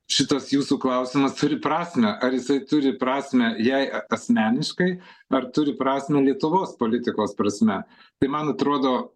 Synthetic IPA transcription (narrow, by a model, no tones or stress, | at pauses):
ʃʲɪt̪ɐsjuːsuːklˠɐʊsʲɪmɐst̪ʊɾʲɪpɾɑːsʲmʲɛʔɐɾjɪsɐɪt̪ʊɾʲɪpɾɑːsʲmʲɛjɛɪɐɐsʲmʲæːnʲɪʃkɐɪɐrt̪ʊɾʲɪpɾɑːsʲmʲɛlʲiɛt̪ʊʋoːspoːlʲɪt̪ʲɪkoːspɾɐsʲmʲɛ | t̪ɐɪmɐnɐt̪ɾoːd̪oː